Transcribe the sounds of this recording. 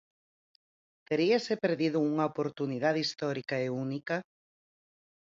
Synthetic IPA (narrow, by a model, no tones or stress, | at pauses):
t̪eɾiasepeɾðiðʊuŋɐopoɾt̪uniðaðist̪ɔɾikaeunika